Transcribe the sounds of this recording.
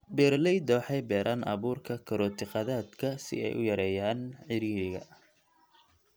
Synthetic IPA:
bɛːrlɛjd̪ɔːħɛjbɛːɾʔaːnʔɑ̰βuːrkʰɐkʰɐɾɔːt̪ʰɪqɑðaːd̪kʰɐsɪ̰ɛ̰jʔʊ̰jɐɾɛːjaːnʕɪɾiːɾɪɣɐ̰

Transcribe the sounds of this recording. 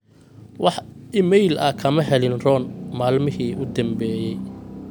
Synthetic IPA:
wɑħɪmɛjlɐ̰kʰɐmɐɦɛlɪnrɔːnmaːlmɪɦiːʔʊd̪ɐmbɛːjɛj

